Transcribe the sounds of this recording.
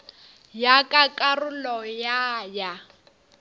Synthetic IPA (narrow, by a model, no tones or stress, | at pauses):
jakʼakʼarʊlɔjaja